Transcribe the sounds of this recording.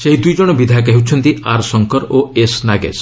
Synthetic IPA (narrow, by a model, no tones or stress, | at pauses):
seɦid̪ujd͡ʒɔɽ̃ɔbid̪ʱak̬ɛɦiwt͡ʃʰɔnt̪iaɾsɔŋkɔɾoesnaɡḛs